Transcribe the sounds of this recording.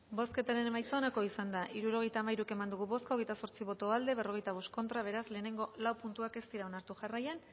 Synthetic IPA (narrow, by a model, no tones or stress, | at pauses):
bo̞ske̞t̪aɾe̞nmajt͡soonako̞isand̪aʔiɾuɾo̞ɣejt̪aːmajɾuke̞mand̪uɣ̞uβo̞skaoɣe̞jt̪aso̞ɾt͡siβo̞t̪o̞ald̪e̞βe̞ro̞ɣ̞e̞jt̪aβ̞o̞st̪̚ko̞nt̪ɾaβ̞e̞ɾasle̞ːne̞ŋɡo̞lawpunt̪uake̞st̪iɾao̞naɾt̪uʝarajan